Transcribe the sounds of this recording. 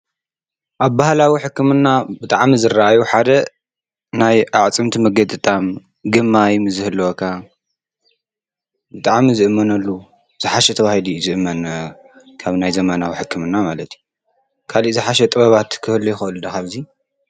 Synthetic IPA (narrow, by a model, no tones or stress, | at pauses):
ʔaβbahlawiħɨkːɨmɨnːabɨt̪ʼaʕmizɨraʔajuħad̪ɐ | najʔaʕt͡sʼɨmt̪ʰimɐɡɐt̪ʼɨt̪ʼam | ɡɨmːajmɨzɨhɨlːɐwokʰa | bɨt̪ʼaʕmizɨʔɨmːɐnɐlːu | z̥ɨħaʃɛt̪ʰɐβahilizɨʔɨmːɐn | kʰaβnajzɐmɐnawiħɨkʰːɨmɨnːamalɐt̪ʰju | kʰaliʔzɨħaʃɛt̪ʼɨβɐβat̪kʰɨhɨlːujɪxɐʔɨlud̪axaβzi